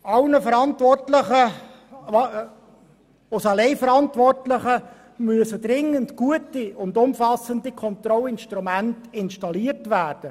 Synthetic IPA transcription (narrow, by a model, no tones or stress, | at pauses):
ɑlnəfəɾɑntʋɔrtləχə | ʊsɑlɛɪfəɾɑntʋɔrtləχə | myəsədɾɪŋːəntɡ̥uətiʊndʊmfɑsəndikʰɔnt̪ɾɔlɪnʃtɾumæntɪnʃtɑliərtʋæːrd̥ə